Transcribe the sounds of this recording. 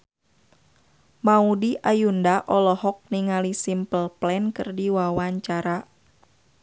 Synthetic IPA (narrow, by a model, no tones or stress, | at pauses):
maudiʔajundaʔɔlɔhɔk̚niŋalisimpəlplɛnkɨrdiwawaɲt͡ʃaɾa